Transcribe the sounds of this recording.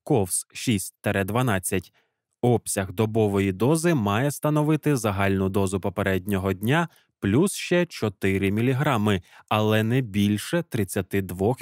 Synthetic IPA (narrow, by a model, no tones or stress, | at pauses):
kɔwsʃisʲt̚ʲt̪ɐɾɛd̪ʋɐnɑt͡sʲːɐtʲ | ɔpsʲɐɣd̪ɔbɔʋɔjid̪ɔzɪmɑjɛst̪ɐnɔʋɪt̪ɪzɐɦɑlʲnʊd̪ɔzʊpɔpeɾɛdʲnʲɔɦɔdʲnʲa | plʲusʃt͡ʃɛt͡ʃɔt̪ɪɾʲɪmʲilʲiɦɾɑmɪɐlˠɛnɛbʲilʲʃɛt̪ɾɪt͡sʲːɐt̪ɪd̪ʋɔx